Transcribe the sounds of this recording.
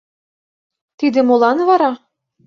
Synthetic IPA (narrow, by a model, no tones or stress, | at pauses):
t̪id̪ĕmolˠɑnvɑɾɑ